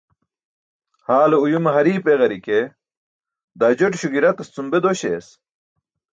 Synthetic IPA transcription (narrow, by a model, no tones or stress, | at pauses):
haːloujumeɦɐɾiːpeɣɐɾike | d̪aːd͡ʑoʈɕuɡiɾɐt̪ɐst͡sumbed̪oɕḛːs